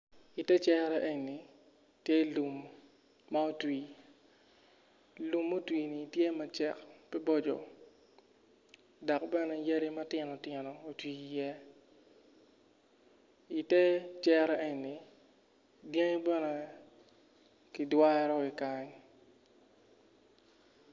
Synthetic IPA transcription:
i˨tɛ˦t͡ʃɛ˦ɾa˦ʔe˦ɲi˨ | tje˦lu˨mː | a˦o˦twiː˨ | lu˨mːo˦twiː˨ni˨tje˦ma˨t͡ʃɛ˦˨kpi˦bɔ˦d͡ʒɔ̰˨ | dɔ˨kbɛ˦nɛ˨ja˦ɾi˦ma˦tɪ˨nɔ˨tɛ˨nɔ˨o˨twi˨jɛ˦ | i˨tɛ˦t͡ʃɛ˦ɾe˦ɲːi˨ | dje˦ŋ˦bɛ˦nɛ˨ | ki˨dwa˦ɾɔ˦i˨ka˨ɲ

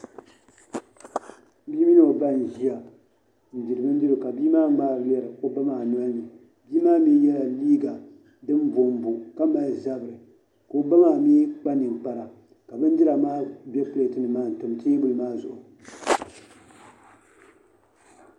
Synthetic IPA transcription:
bi˦mi˦n˦o˨ba˦n˨ʒi˦a˨ | n̩˨di˨ɾɨ˨bɨ˦n˦di˦ɾɨ˨ka˨biː˦maː˦ŋ͡maː˦ɾlɛ˦ɾɨ˨o˦ba˦maː˨n˦a˦nɨ˨ | biː˦maː˦miː˦jɛ˦la˨liː˦ɡa˨ | dɨ˦mbo˨mbu˨ka˦ma˨lza˦bɨ˨ɾɨ˨ | ko˨ba˦ma˨miː˦k͡pa˦nɨ˨ŋ˨k͡pa˨ɾa˨ | ka˨bɨ˦n˦di˦ɾa˨maː˦bɛ˦pɨ˦le˨tɨ˦nɨ˨maː˦˨n̩˨tʊ˨mte˦bʊ˦lɨ˨maː˦zʊ˨ʔʊ˨

